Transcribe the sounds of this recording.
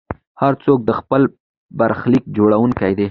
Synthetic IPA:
haɾt͡sok̚d̪əxpəl | baɾxlik̚d͡ʒoɽawuŋkajd̪e

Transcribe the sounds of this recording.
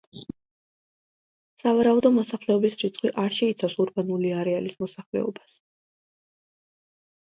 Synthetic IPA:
savaɾaud̪ɔmɔsaχlɛɔbisɾit̪sʰχʰwiʔaɾʃɛit̪sʰafsuɾbanuliaɾɛalismɔsaχlɛ̰ɔ̰bas

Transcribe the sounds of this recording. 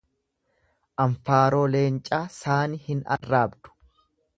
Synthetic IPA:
ʔɐɱfaːɾo̞ːle̞ːnt͡ʃʼːaːsaːnɪhɪnɐ̰rːaːbd̪̥ʊ̥

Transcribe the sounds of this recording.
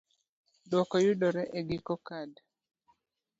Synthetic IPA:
dwɔkɔjudɔɾɛʔeɡikɔkad

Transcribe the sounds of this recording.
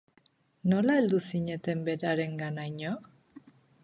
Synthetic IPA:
no̞laeld̪usiɲe̞t̪e̞mbe̞ɾaɾe̞ŋɡanajɲo

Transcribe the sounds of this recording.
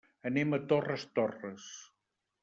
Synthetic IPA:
ənemət̪orəst̪orəs

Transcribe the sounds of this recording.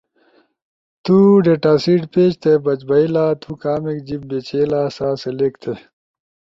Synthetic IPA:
t̪uɖeːʈaːsiːʈpeːt͡ɕt̪ʰebɐt͡ɕbɐilaːt̪ʰuːkaːmekd͡ʑib̚bet͡ɕeːlaːsaːseleːkt̪ʰe

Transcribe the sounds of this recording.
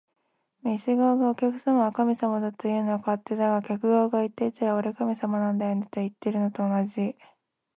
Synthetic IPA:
mʲisɨɡaːɡao̞kʲakɯ̟̥samaβakamʲisamad̪at̪ojɯ̟ːnoakaat̪ːe̞d̪aɡakʲakɯ̟ɡaːɡait̪ːe̞it̪aɾaoɾe̞kamʲisamanãnd̪ajonit̪ːeit̪ːeɾɯ̟no̞t̪o̞ːnaʑi

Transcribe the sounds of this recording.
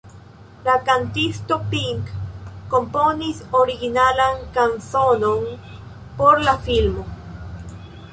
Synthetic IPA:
lakant̪ist̪opiŋkːomponisoɾiɣinalaŋkansonon | poɾlafilmo

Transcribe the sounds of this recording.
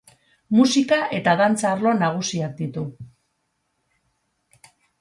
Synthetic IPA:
musikaʔe̞t̪aðant͡saːɾlo̞naɣ̞usiak̚d̪it̪u

